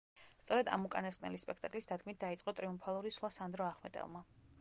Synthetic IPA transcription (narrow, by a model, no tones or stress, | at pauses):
st̪sʼɔɾɛd̪a̰mukʼanaskʼnɛ̰lispʼɛkʰt̪ʼakʼlisd̪ad̪̚ɡmit̪̚d̪ait̪sʼqʼɔt̪ʼɾiumpʰalˠuɾisχlˠasand̪ɾɔaχmɛt̪ʼɛ̰lˠma